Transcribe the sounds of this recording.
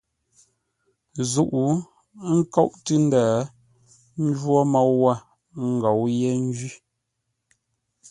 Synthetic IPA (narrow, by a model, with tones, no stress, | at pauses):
zu˦˨ʔu˨˦ | ŋ̩˦kɔ˦ʔtɨ˦n̩˦daː˨ | n̩˦d͡ʒwɔ˦mɔ˦˨wwa˦˨ | ŋ̩˦˨ɡɔ˨wjɛ˦n̩˦d͡ʒi˦